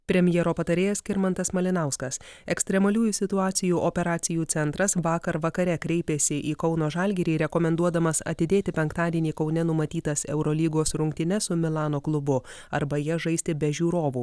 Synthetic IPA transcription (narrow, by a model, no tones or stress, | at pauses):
pʲɾʲɛmʲjɛːɾoːpɐt̪ɐɾʲeːjɛskʲɪɾmɐnt̪ɐsmɐlʲɪnɑˑʊskɐsɛksʲt̪ʲɾʲɛmɐlʲuːjusʲɪt̪ʊɑːt̪sʲɪjuːʔopʲɛɾɑːt̪sʲɪjuːt̪sʲɛnt̪ɾɐsʋɑːkɐɾʋɐkɐɾʲɛkɾʲɛɪpʲeːsʲɪʔiːkɒʊnoːʒɑlʲɡʲɛɾʲiːɾʲɛkɔmʲɛnd̪uɔd̪ɐmɐsɐ̰t̪ʲɪd̪ʲeːt̪ʲɪpʲɛŋkt̪ɑːd̪ʲiɛnʲiːkɒʊnʲɛnʊmɐt̪ʲiːt̪ɐsɛʊɾɔlʲiːɡoːsɾʊŋʲk̚t̪ʲɪnʲɛsʊmʲɪlˠɑːnoːklˠʊbʊ | ɐɾbɐjɛʒɐɪsʲt̪ʲɪbʲɛʒʲuːɾoːʋuː